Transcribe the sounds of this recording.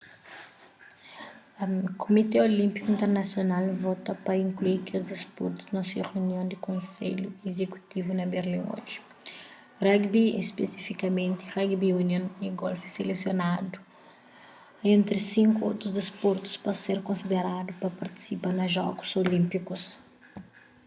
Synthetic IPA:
ɐkʰomit̪eolĩmpikuĩnt̪eɾnɐsjonalvɔt̪ɐpɐĩŋkluiɾkiuzd̪ispṵɾt̪u̥znɐsuɐʁeuniõw̃d̪ɪkõsḛʎuezeku̥t̪ivunɐbeɾlĩŋo̰ʒi̥ | rɛɡbiḛspesifikɐmẽnt̪ɪ̥ʁɛɡbiunjõniɡɔlfi̥selesjonad̪u̥ | ẽnt̪ɾisĩŋkuo̰wt̪ɾuzd̪ispuɾt̪u̥spɐseɾkõsid̪eɾad̪upɐpɐɾt̪i̥sipanɐʒɔɡu̥zolĩmpikus

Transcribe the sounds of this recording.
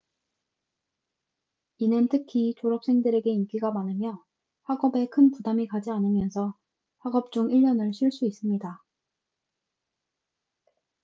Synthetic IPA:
inɯntʰɯkʰit͡ɕoɾʌp̚s͈ʰe̞ŋdɯɾe̞ɡe̞ink͈iɡamanɯmjʌ | ɸwaɡʌbe̞kʰɯnpudamikad͡ʑianɯmjʌnsʰʌ | ɸaɡʌp̚t͡ɕ͈uŋiʎːʌnɯɭɕʰiɭs͈uis͈ɯmɲida

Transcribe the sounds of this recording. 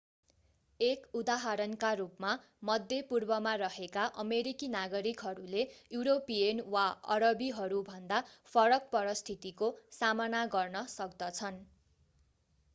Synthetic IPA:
ekud̪aɦʌɾʌnkarupma | mʌd̪ʱjepurbʌmarʌɦekaʔʌmeɾikinaɡʌɾikɦʌɾulejuɾopienwaʌ̰ɾʌbiɦʌɾubʱʌnd̪apʰʌɾʌk̚pʌɾʌst̪ʰit̪ikosamʌnaɡʌrnʌsʌkd̪ʌt͡sʰʌn

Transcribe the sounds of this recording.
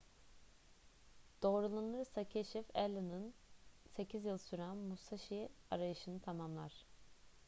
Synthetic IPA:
d̪̥o̞ːɾulˠanɯɾsacʰeʃifɛlʲːɯnɯnse̞cʰizjɯlˠsyɾænmusaʃia̰ɾajɯʃɯnɯt̪ʰamamlˠa̰ɾ̝̥

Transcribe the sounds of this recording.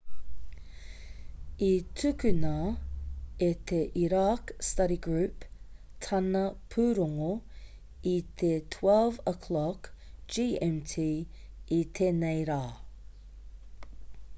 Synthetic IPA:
it̪ʰʉkʉnɐ | et̪ʰeʔiɾakstɐɾiɡɹʉːp | tʰɐnɐpʰʉːɾoŋo | it̪ʰet̪ʰwɛlvəkʰlɔk | d͡ʒiːɛmtʰiː | it̪ʰenejɾaː

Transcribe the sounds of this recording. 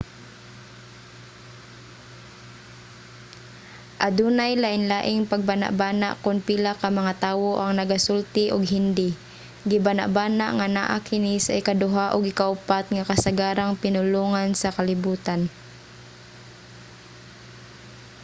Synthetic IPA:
ʔad̪uːnajlaʔɪnlaːʔɪŋpaɡ̚bana̰ʔbaːna̰ʔkʊnpiːlakamɐŋat̪aːwoʔaŋnɐɡasʊlt̪ɪʔʊɡɦɪnd̪ɪ | ɡɪbana̰ʔbaːnaʔŋana̰ʔakɪnisaʔɪkad̪ʊɦaʔʊɡɪkaʔʊpat̪ŋakasaɡaːɾaŋpɪnʊluːŋansakalɪbuːt̪an

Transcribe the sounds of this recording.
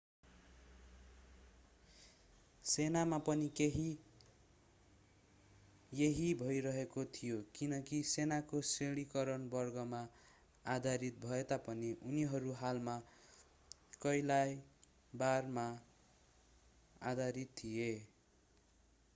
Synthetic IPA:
senamapʌnikeɦi | jeɦibʱʌjɾʌɦekot̪ʰijokinʌkisenakoseɽ̃ikʌɾʌnbʌrɡʌma | ad̪ʱaɾit̪̚bʱʌet̪apʌniʔuniɦʌɾuɦalma | kʌjlaj | barma | a̰d̪ʱaɾit̪ʰːije

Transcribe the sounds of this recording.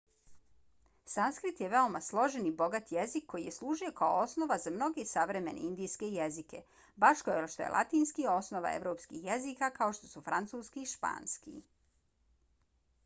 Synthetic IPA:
sanskɾit̪jeʋe̞o̞maslˠo̞ʒenibo̞ɡat̪jezikʰːojijeslˠuːʒuje̞kaoosno̞ʋazamno̞ɡesaʋɾe̞me̞̰neind̪iːjske̞jezike̞ | baʃkoeʃt̪o̰jelʔa̰t̪iːnskio̞snoʋa̰ḛʋɾo̞ːpskixjezikakao̞ʃt̪o̞sufɾant̪suːskiʃpa̰ːnskḭ

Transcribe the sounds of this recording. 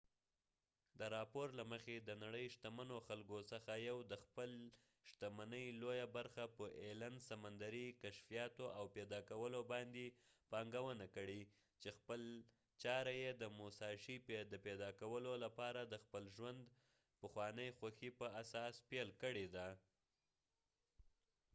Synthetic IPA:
d̪əɾɑpoɾlaməxed̪ənaɽəjʃt̪amanoxalkosəxajawd̪əxpəl | ʃt̪amanəjlojabaɾxapəʔelansamand̪aɾikaʃfijɑt̪oʔawped̪ɑkawəlobɑnd̪epɑŋɡawənakəɽi | t͡ʃexpəl | t͡ʃɑɾajed̪əmosɑʃiped̪əped̪ɑkawəlolapɑɾad̪əxpəlʒwand̪ | pəxwɑnəjxwaxipəasɑspelkəɽed̪a

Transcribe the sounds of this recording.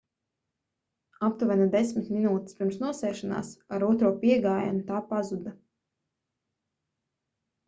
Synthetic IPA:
apt̪uvɛnad̪esmit̪minuːt̪i̥spʲiɾmsnuɔsɛːʃana̰ːsaɾuɔt̪ɾuɔpiɛɡaːja̰nut̪aːpazud̪a

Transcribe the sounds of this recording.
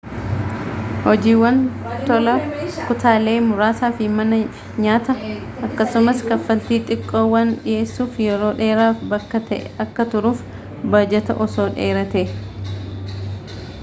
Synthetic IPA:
hɔd͡ʒiːwːɐnt̪ɔlɐkʊt̪aːle̞ːmʊɾaːsaːfɪmɐnɐ | ɲaːt̪ɐ | ʔɐkːɐsʊmɐskɐfːɐlt̪iːt̪ʼɪkʼːo̞ːwːaːnᶑɪe̞ːsːuːfjɛɾo̞ːᶑe̞ːɾaːfbɐkːɐt̪ɛ̰ʔʔɐkːɐt̪ʊɾuːf | bɐːd͡ʒɛt̪ɐ̰ʔɔso̞ːᶑeːɾɐt̪eː

